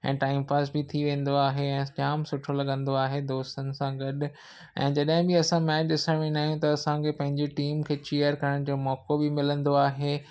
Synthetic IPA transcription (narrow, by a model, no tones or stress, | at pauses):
ɛ̰̃ːʈaːɪmpaːsbɪt̪ʰiʋẽːn̆d̪oaːɦeɛ̃ːt͡ɕaːmsʊʈʰolɐɠə̃nd̪oaːɦed̪oːst̪ənɪ̆sãɡɐɗ̆ | ɛ̰̃ːd͡ʑɐɗɦɪ̃bɪɐsãmɛːt͡ɕɪsɐmĩnaːijũt̪ɐɐsãkʰepɐ̃ɦɪ̃ɲd͡ʑeʈiːmkʰeːt͡ɕeːjəɾkɐɾəɽ̃d͡ʑoːmɔːkobɪmɪlə̃nd̪oaːɦeː